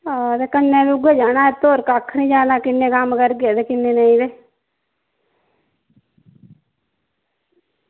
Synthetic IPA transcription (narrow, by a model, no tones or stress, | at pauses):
ad̪ekənːebʊɡed͡ʒaːnaet̪oːɾkakʰnĩd͡ʒaːnakɪnːekaːmkəɾɡed̪ekɪnːenəĩd̪e